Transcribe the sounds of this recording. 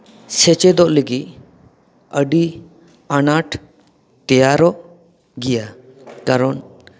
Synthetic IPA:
sɛt͡ʃɛd̪ɔʔleɡi | əɖi | anaʈ | t̪ɛjaɾɔʔ | ɡija | kaɾɔn

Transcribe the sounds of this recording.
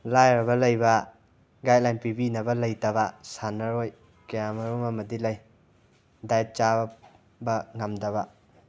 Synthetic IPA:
lajɾbɐlɐjbɐ | ɡajt̚lajnpibinɐbɐlɐjtɐbɐsanɐɾoj | kɐjamɐɾomɐmɐdilɐj | dajt̚t͡ʃa | bɐŋɐmdɐβɐ

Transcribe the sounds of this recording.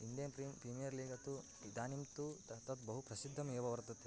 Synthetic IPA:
ind̪jɐnpɾipɾimijɐɾliːɡɐt̪u | d̪aːnimt̪ut̪ɐt̪ɐt̪bɐɦupɾɐsid̪ʱːɐmeːʋɐʋɐɾt̪ɐt̪

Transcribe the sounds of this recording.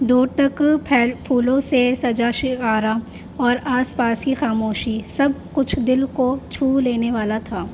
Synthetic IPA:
ɖoːɾt̪ɐkpʰɛːlpʰuːlõsesɐd͡ʒaʃɪaːɾa | ɔːɾaːspaːskixaːmoːʃisɐb̚kʊt͡ʃʰd̪ɪlkot͡ʃʰuːleːneʋaːlat̪ʰaː

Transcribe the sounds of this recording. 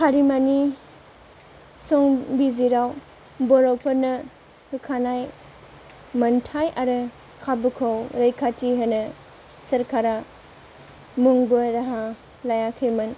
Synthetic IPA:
kʰaɾimani | sɔŋbiziɾaw | bɔɾɔpʰɐɾnɐ | hɯkʰanaj | mɐntʰajʔaɾɯ | kʰabɯkʰɔwɾɐjkʰatiɦɯnɯ | sɐɾkʰaɾa | muŋbɯɾaɦa | lajakʰɯjmɯn

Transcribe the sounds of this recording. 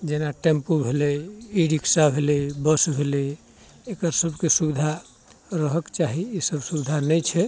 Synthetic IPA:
d͡ʒenaʈempubʱelɛiɖiksabʱelɛbəsbʱelɛ | ekəɾsəbʱkesubid̪ʱa | ɾəɦəkt͡ʃaɦiːsəbʱsubid̪ʱanət͡ʃʰɛ

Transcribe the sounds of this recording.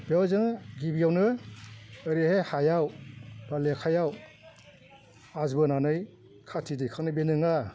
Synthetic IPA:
bewzɯŋɡibijawnɯː | ɾihehajawbalekʰajaw | azbɯnanɯj | kʰatʰidikʰak̚nɯbenɯŋa

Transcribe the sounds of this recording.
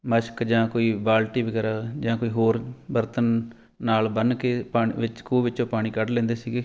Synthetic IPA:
məʃkd͡ʒãːkoːiːbaːlʈiːbəɡɛːɾaːd͡ʒãːkoːiːɦoːɾbəɾt̪ənː | aːlbənkeːpaːʋɪt͡ʃkuːʋɪt͡ʃõːpaːɽ̃ĩːkəɖlẽːnd̪eːsiːɡeː

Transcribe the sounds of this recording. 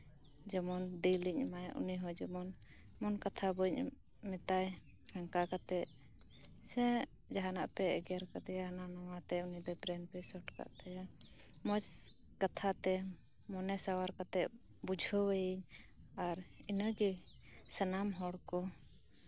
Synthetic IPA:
d͡ʒɛmɔnd̪iliɲmajaʔṵniɦɔd͡ʒɛmɔn | mɔnkat̪ʰabuɲ | mit̪aj | haŋkakat̪ɛʔ̚ | sɛ̃ | d͡ʒaɦanaʔpɛɛɡɛaɾkat̪ɛananɔwat̪ɛunibɛbɾɛnpɛsɔʈka̰ʔt̪ɛja | mɔt͡ʃ | kat̪ʰat̪ɛ | mɔnɛsawaɾkat̪ɛʔ | bud͡ʒʱɔwɛjiɲ | aɾinəɡisənamɦɔɽkɔ

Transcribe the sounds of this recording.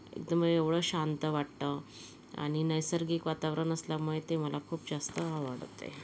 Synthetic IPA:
ḛk̚d̪əmeʋɽəɕant̪əʋaʈt̪ə | a̰ɽ̃inəjsəɾɡiːkʋat̪aʋɾənəsljamuɭjt̪em̤əlakʰuːpd͡zast̪əaʋəɽt̪ḛ

